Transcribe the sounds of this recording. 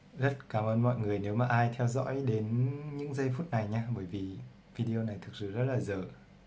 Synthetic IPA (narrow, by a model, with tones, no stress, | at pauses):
zə˦˥t̚kaː˨˦mʔəː˧nmɔ̰˧˨jŋɨ˨˩əjne˨˦wmaː˨˩ʔaː˧jt̪ʰɛ˧wzɔ̰˧˥jɗe˨˦nɲɨ̰˧˥ŋzə˧jfu˦˥t̚na˨˩jɲaː˧ɓəː˧˦jvi˨˩ | vi˧ɗi˧o˧na˨˩jt̪ʰɨ˨˩k̚sɨ̰˧˨˩zə˦˥t̚laː˨˩zəː˧˨˩